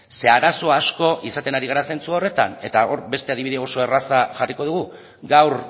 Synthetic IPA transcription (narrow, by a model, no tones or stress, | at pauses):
se̞aɾaso̞asko̞ʔisat̪e̞naɾiɣaɾase̞nt͡suare̞t̪a̰ne̞t̪ao̞ɾbe̞st̪e̞aðiβiðeo̞so̞e̞rasaʝariko̞ð̞uɣu | ɡawr